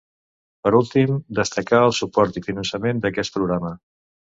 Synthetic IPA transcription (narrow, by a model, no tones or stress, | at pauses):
pəɾulˠt̪imd̪əst̪əkaəlˠsupɔɾt̪ifinənsəmend̪əkɛs̚pɾuɣɾamə